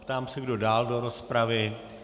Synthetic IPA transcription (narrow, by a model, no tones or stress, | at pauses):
pt̪aːmsɛɡdo̞daːldo̞ɾo̞spɾavɪ